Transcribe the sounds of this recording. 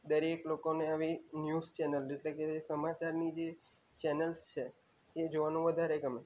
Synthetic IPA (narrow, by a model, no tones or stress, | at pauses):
d̪əɾeklokoneaʋinjuzt͡ʃɛnəleʈlekesəmat͡ʃaɾnid͡ʒe | t͡ʃɛnəlst͡ʃʰe | ed͡ʒoʋanũʋəd̪ʱaɾeɡəme